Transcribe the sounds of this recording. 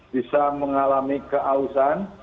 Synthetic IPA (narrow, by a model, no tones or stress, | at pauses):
b̥isaməŋalamikəʔausan